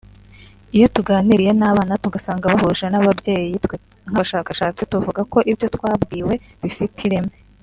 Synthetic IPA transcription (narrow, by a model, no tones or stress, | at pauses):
ijo̞tuɡaːniɾije̞naːβaːnatuɡasaːŋɡaβahuːʒienaβabje̞ːjijitwe | ŋ̥haʃaːkaʃaːt͡situvuɡako̞ʔibjo̞twaːbɡiːwe̞ | βifitʰiɾeme